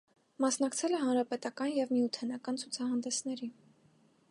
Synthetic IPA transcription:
mɑsnɑkt͡sʰɛlɛɦɑnɾɑpɛt̪ɑkɑnjɛvmijut̪ʰɛnɑkɑnt͡sʰut͡sʰɑɦɑnd̪ɛsnɛɾi

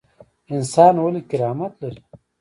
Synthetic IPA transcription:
ɪnsaːnwolikɪɾaːmat̪laɾi

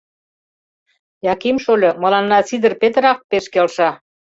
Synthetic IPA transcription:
jɑkimʃolʲɤməlɑnːɑt͡sid̪ə̆rpet̪əɾɑk̚peʃkelʃɑ

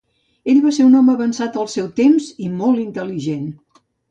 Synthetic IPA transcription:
eʎβaseɾunɔməəβənsat̪əlˠsɛwt̪emzimɔlˠint̪əliʒen

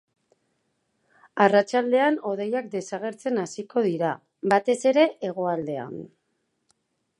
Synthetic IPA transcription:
arat͡ʃald̪e̞ano̞ð̞e̞jak̚d̪e̞saɣ̞e̞ɾt͡se̞nasiko̞ðiɾa | bat̪e̞se̞ɾe̞ʔeɣ̞o̞ald̪e̞a̰n

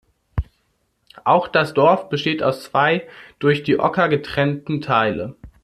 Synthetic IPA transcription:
ʔaʊxd̥asd̥ɔɐfb̥əʃteːta̰ʊst͡sv̥aɪd̥ʊɐçd̥iːʔɔ̰kɐɡətʁ̥ɛntn̩tʰaɪlə

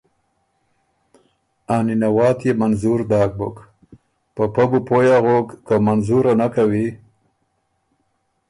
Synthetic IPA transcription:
aninawɑːt̪jemanzuɾd̪ɑːk̚bʊ̰k | pəpaɡupojaɣokːamanzuɾanakawi

